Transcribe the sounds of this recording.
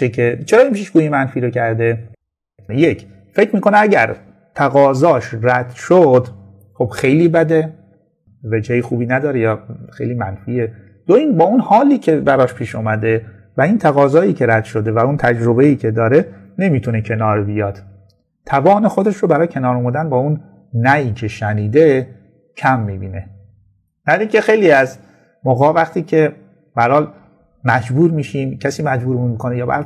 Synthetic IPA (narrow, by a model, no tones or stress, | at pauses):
ekʰet͡ʃʰeɾɒːinpʰiːʃɡuːjemænfiːɾocʰæɾd̪e̞ | je̞cʰ | fe̞cʰmiːkʰo̞nææɟæ̰ɾ | t̪ʰæɣɒːzɒːʃræd̪̥ʃod̪ | χo̞b̥xe̞jliːbæd̪e̞ | ved͡ʒejixuːbiːnæd̪ɒːɾejɒːxejliːmænfiːe | d̪̥oiːnbɒːunhɒːliːcʰe̞bæɾɒːʃpʰiːʃumæd̪e̞ | væiːnt̪ʰæɣɒːzɒːjiːkcʰe̞ɾæd̪̥ʃo̞d̪e̞væunt̪ʰæd͡ʒɾo̞be̞iːcʰe̞d̪ɒːɾe̞ | ne̞mit̪ʰunecʰe̞nɒːɾbijɒːd̪̥ | t̪ʰævɒːne̞xo̞d̪e̞ʃɾobæɾɒːjecʰe̞nɒːɾomud̪ænbɒːunː | æjiːcʰe̞ʃæniːd̪e | cʰæmːiːbiːne̞ | næd̪iŋce̞xe̞jliːæz | moːɣɒːvæχt̪ʰiːcʰe̞ | b̥ææɾhɒːl | mæd͡ʒbuːɾmiːʃiːmcʰæsiːmæd͡ʒbuːɾmmikʰo̞nejɒːbæ̰ɾ